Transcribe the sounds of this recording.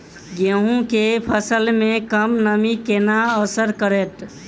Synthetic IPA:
ɡeɦũkepʰəsəlmẽkəmnəmikenaəsəɾkəɾet̪

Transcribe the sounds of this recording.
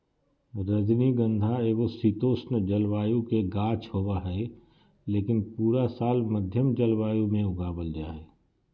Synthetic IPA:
ɾəd̪niɡə̃nd̪ʱaeːɡosit̪oːsnd͡ʒəlʋaːjũkeɡaːt͡ʃʰhoːwaɦɛː | leːkɪnpuːɾasaːlməd̪ʱjəmd͡ʒəlwaːjũmẽʊɡaːbəld͡ʒaːeː

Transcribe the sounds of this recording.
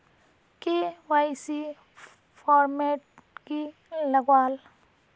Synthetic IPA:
kewaːɪsi | fʰɔːɾmeːʈ̚ | ki | lɐɡwaːl

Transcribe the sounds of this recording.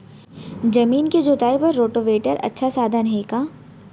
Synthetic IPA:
d͡ʒɐmiːnked͡ʒot̪aːipɐɾːoːʈoʋeːʈəɾʔɐ̰tːʃʰasaːd̪ʱənɦeːkaː

